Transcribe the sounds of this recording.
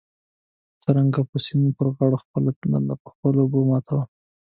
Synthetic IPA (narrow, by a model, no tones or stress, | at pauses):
t͡səɾaŋɡapəsinopəɾɣɑɽoxpəlpəxpəlobomɑt̪ʰawa